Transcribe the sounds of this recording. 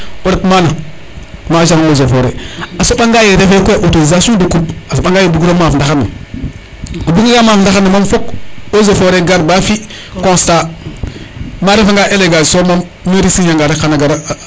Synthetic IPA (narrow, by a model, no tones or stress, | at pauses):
oɾatmana | maʒaŋozofoɾḛasoɓaŋɡajeɾefekʷeʔotoizasudukupasoɓaŋɡajebuɡɾomafndaana̰ | obuɡɡamafndaxanːamamfokozofoɾeɡaɾbafi | kõsta | maɾefaŋɡaʔeleɡasomamːiɾisijaŋɡaɾekanaɡaɾ